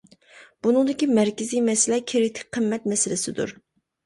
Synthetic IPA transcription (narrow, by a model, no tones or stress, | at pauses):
b̥unɨŋd̪ɪkʲimɛɾkʲɪzijmɛsɪlɛkʲʰiɾɪt̪ʰɪ̥k̚ʲqʰəmːɛt̪̚mɛsɪlɪsɪd̪ṵɾ